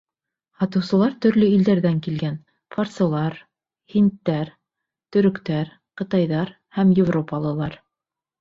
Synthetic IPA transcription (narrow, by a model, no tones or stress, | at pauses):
hɑt̪ɤ̆wsɤ̆lˠɑɾt̪ɵ̆ɾlɵild̪æɾðæŋkilɡæn | fort̪sɤ̆lˠɑɾ | hint̪ːæɾ | t̪ɵ̆ɾɵ̆kt̪æɾ | qɤ̆t̪ɑjðɑɾ | hæmjɪvropɑlˠɤ̆lˠɑɾ